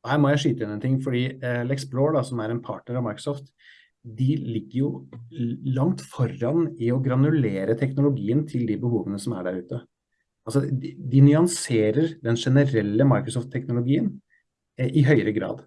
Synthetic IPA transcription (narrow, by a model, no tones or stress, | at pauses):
ɔhæːɾmɔjæɪʂyːt̪əɪnɛnt̪ʰɪŋːfɔɖiːlɛksbloːɖɑsɔmæɾɛnpʰɑ̰ːʈnəɾɑʋmɑɪkɾʊsɔːft̪ | d̪ɪlɪɡːəɾjʊ | lɑŋt̪fɔɾɑnɪɔɡɾɑnʉleːɾət̪ʰɛknʊlʊɡiːənt̪ʰɪld̪ɪbəhuːʋənəsɔmæ̰ɖæɾʉːt̪ə | ɑlsɔd̪ɪnʏɑnseːɾəɾd̪ɛnʂɛnəɾɛlːəmɑɪkɾʊsɔft̪ʰːɛknʊlʊɡiːən | ʔɪɦœʏɾəɡɾɑ̰ːd̪